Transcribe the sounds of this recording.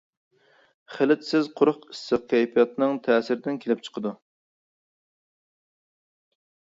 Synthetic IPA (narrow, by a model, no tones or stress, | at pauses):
χɪlɪt̪sɪzqʰʊɾʊqi̥st̪ɨqːɛjpijɑt̪nɨŋt̪ʰɛːsɪɾɪd̪ɪnkʲʰelɪp̚t͡ʃʰə̥qʰəd̪u